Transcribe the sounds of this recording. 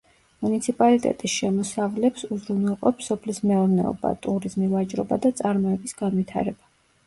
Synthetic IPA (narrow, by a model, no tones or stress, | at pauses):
munit̪sʰipʼalit̪ʼɛ̰t̪ʼisʃɛmɔsavlɛpsuzɾunɛlˠqʼɔpsɔpʰlismɛɔɾnɛ̰ɔ̰ba̰t̪ʼuɾizmilˠat͡ʃʼɾɔbad̪at̪sʼaɾmɔɛbisɡ̥anwit̪ʰa̰ɾɛb̥a